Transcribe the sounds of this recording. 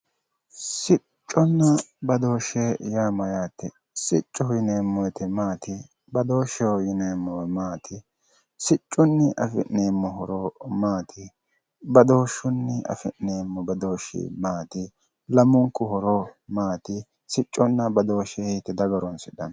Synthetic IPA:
sɪ | t͡ʃʼːɔnːɐbɐd̪o̞ːʃeːjaːmɐjaːt̪ːɛ | sɪt͡ʃʼːɔjɪneːmːɔjɛt̪ɛmaːt̪ɪ | bɐd̪o̞ːʃɛɔjɪneːmːɔmaːt̪ʰɪ | sɪt͡ʃʼːʊnːɪʔɐfɪ̰ʔneːmːɔɦɔɾɔmaːt̪ʰɪ | bɐd̪o̞ːʃʊnːɪɐ̰fɪ̰ʔneːmːɔbɐd̪oːʃḭːmaːt̪ɪ | lɐmʊŋkːʊhɔɾɔmaːt̪ɪ | sɪt͡ʃʼːɔnːɐbɐd̪oːʃehit̪ːɛd̪ɐɡɐɾɔnsɪᶑɐn

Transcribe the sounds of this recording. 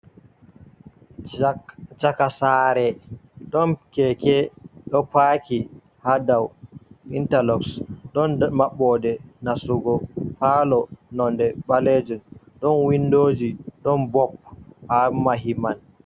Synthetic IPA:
t͡ʃakasaːɾɛɗɔnkɛkɛɗɔpaki | hadawintalɔksɗɔnmaɓːɔdɛnasuɡɔpalɔnɔndɛɓaled͡ʒun | ɗɔnwindoːd͡ʒiɗɔnbɔphamaɦiman

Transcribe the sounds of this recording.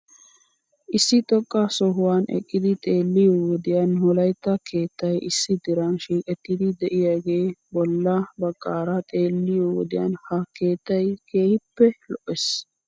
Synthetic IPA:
ʔɪsːɪt̪ɔkʼːasɔɦʊwaːnɛ̰kʼːɪd̪ɪt̪ʼeːlːɪjoːwɔd̪ɪjɐːnhɔlɐjt̪ːɐkʰe̞ːt̪ːɐjɪsːɪd̪ɪɾɐnʃiːkʼɛt̪ːɪd̪ɪd̪ɛʔɪjaːɡe̞ːbɔlːɐbɐkʼːaːɾɐt̪ʼe̞ːlːɪjowɔd̪ɪja̰ːnhɐke̞ːt̪ːɐjkʰe̞ːhɪpːɛlɔʔɛs

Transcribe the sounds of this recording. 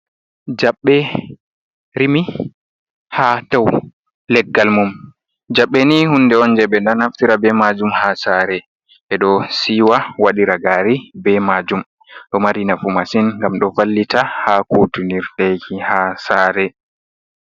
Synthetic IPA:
d͡ʒaɓːɛ | ɾimi | hataw | lɛɡːalmum | d͡ʒaɓːɛnihundɛɔnd͡ʒɛɓɛndanhaftiɾabɛmad͡ʒumhasaɾɛ | ʔɛɗɔsiwawaɗiɾaɡaɾibɛmad͡ʒum | ɗɔmaɾinafumasinŋɡamɗɔvalːitʰahakutuniɾɗajkʰihasaːɾɛ

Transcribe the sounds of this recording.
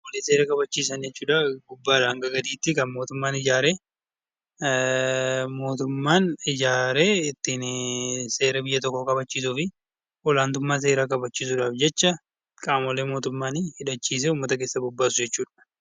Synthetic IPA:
ɔleːse̞ːɾɐkʼɐbɐt͡ʃːiːsɐnd͡ʒɛt͡ʃːuːᶑaɡʊbːaːᶑɐɐŋɡɐɡɐd̪iːt̪ːɪkɐnmo̞ːt̪ʊmːaːnɪd͡ʒaːɾeː | mo̞ːt̪ʊmːaːnɪd͡ʒaːɾeːɪt̪ːɪnse̞ːɾɐbɪjːɐt̪̬ɔkːɔkʼɐbɐt͡ʃːiːs̬ʊfɪ | ʔɔlaːnt̪ʊmːaːs̬e̞ːɾakʼɐbɐt͡ʃːiːs̬ʊᶑaːfd͡ʒɛt͡ʃːɐ | kʼaːmɔleːmoːt̪ʊmːaːnhɪᶑɐt͡ʃːiːs̬ɛʊmːɐt̪ɐke̞ːsːɐbʊbːaːsʊd͡ʒɛt͡ʃːuːᶑɐ̥

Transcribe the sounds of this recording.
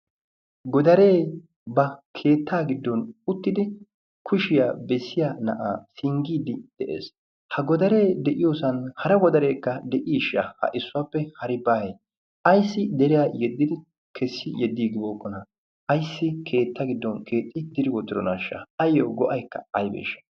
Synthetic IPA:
ɡɔd̪ɐɾe̞ː | bɐkʰe̞ːt̪ʰːaːɡɪd̪ːɔnʊt̪ːɪd̪ɪ | kʰʊʃɪjaːbɛsːɪjanɐ̰ʔa̰ːsɪŋɡiːd̪ɪd̪̥ɛʔḛːs | hɐɡɔd̪ɐɾe̞ːd̪ɛʔɪjoːsɐnhɐɾɐɡɔd̪ɐɾe̞ːkːɐd̪ɛʔiːʃːahɐ̰ʔɪsːʊaːpːɛhɐɾɪbaːhe | ʔɐjsːɪd̪ɛɾɪjaːjɛd̪ːɪd̪ɪ | kʰɛsːɪjɛd̪ːiːɡ̪ɪboːkːɔnɐ | ʔɐjsːɪkʰe̞ːt̪ːɐɡɪd̪ːɔnkʰe̞ːt̪ʼːɪd̪ɪɾɪwɔd̪ɪɾɔnaːʃːɐ̰ɐjːoːɡɔʔɐjkːɐ̰ɐjbḛːʃːɐ̥

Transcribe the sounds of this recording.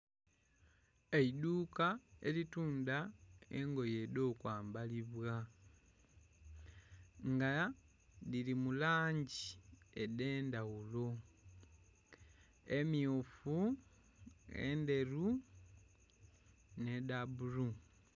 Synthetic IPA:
eiduːkae̞̰lituːndaeŋɡo̞je̞do̞ːkwaːmbaliβwa | ŋɡa | lilimulaːɲɟiedeːndaɣulo̞ | e̞miofu | ḛnde̞ɾu | ne̞dabuɾu

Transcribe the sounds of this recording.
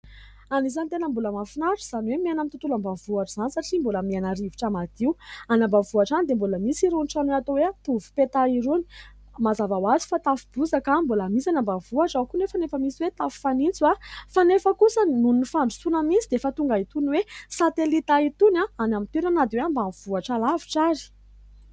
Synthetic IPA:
aniz̬anit̪enəmbuləmafinaɾuz̥aniwemianamit̪ut̪ulambavuaʈ͡ʂz̥anisaʈ͡ʂimboləmianaɾiviʈ͡ʂamad̪̥iuanambavuaʈ͡ʂanid̪emboləmisiɾunʈ͡ʂanweat̪oweat̪uvu̥pet̪aiɾuni̥ | mazavawazi̥fat̪afub̥uzakamboləmisanambavuaʈ͡ʂawkunefanefəmisiwet̪afu̥fanint͡suwafanefəkusənunnifaɳɖ͡ʐusunəmit͡sid̪eefət̪uŋɡait̪uniwesat̪elit̪ait̪unaanamit̪iɾanad̪iweambanv̥uaʈ͡ʂalaviʈ͡ʂaɾi̥

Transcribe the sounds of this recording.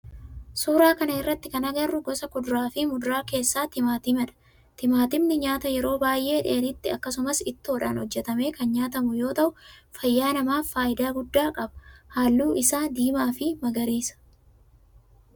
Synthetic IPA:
suːɾaːkɐnɐɪrːɐt̪ːɪkɐnɐɡɐrːʊɡɔsɐkʊd̪ʊɾaːfɪmʊd̪ʊɾaːke̞ːsːaːt̪ɪmaːt̪ɪmɐᶑɐ̥ | t̪ɪmaːt̪ɪmnɪɲaːt̪ɐjɛɾo̞ːbaːjʔe̞ːᶑɪɐnɪt̪ːɪɐkːɐsʊmɐsɪt̪ːɪɔᶑaːnhɔd͡ʒːɛt̪ɐme̞ːkɐnɲaːt̪ɐmʊjo̞ːt̪ɐʔʊfɐjːaːnɐmaːfaːʔɪd̪aːɡʊd̪ːaːkʼɐbɐ̥haːlːuːʔɪsaːd̪iːmaːfɪmɐɡɐɾiːsɐ̥

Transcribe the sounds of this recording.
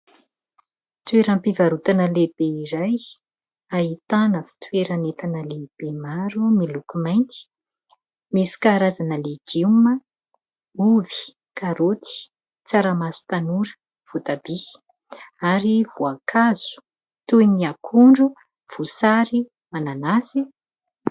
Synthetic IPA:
t̪weɾampivaɾut̪anəleb̥eiɾaj | ait̪anəfi̥t̪weɾanet̪anəleb̥emaɾumilukumajnt̪i̥ | misi̥kaɾazanəleɡ̥imə | uvi̥ | kaɾot̪i̥ | t͡saɾamasu̥t̪anuɾə̥ | v̥ot̪ab̥i | aɾiv̥uakʰaz̥u̥ | t̪ujniakʰuɳɖ͡ʐu | v̥usaɾi | mananasi

